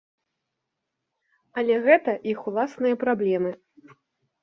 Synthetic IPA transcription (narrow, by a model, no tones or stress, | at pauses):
ɐlʲɛɣɛt̪ɐʔixulˠasnɨjɐpɾablʲɛmɨ